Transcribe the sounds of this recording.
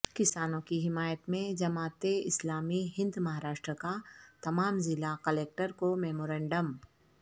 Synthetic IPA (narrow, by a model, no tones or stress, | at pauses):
kɪsaːnõkiɦɪmaːjət̪mẽd͡ʒɐmaːt̪eɪslaːmiɦɪ̃nd̪mɐɦaːɾaːʃʈɾəkat̪ɐmaːmzɪlakɐleːk̚ʈəɾkomɛːmoːɾɛ̃ːɳɖəm